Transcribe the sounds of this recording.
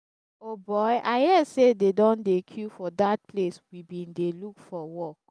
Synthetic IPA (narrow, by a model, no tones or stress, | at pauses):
obɔɪʔaɪhɛsededɔ̃ndekʰufɔdat̚pleswibĩndelukfɔwɔk̚